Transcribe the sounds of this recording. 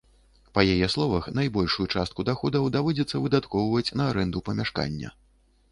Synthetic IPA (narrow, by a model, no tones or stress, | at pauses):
pɐjajɛslˠɔvɐxnajbɔlʲʂujut͡ʂast̪̚kud̪axɔd̪ɐwd̪avɔd͡zʲɛt̪sːɐvɨd̪at̪kɔwvɐt͡sʲnɐːɾɛnd̪upɐmʲaʂka̰nʲːɐ̰